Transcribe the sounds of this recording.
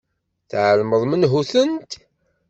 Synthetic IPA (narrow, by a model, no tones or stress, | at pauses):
θʕəlməðˤmənɦuθənt̪